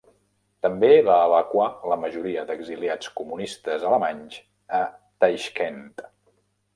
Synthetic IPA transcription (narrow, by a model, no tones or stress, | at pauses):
t̪əmbeβaəβəkwaləməʒuɾiəd̪əɡziliat͡skumunist̪əzələmaɲz | ət̪ajʃkent̪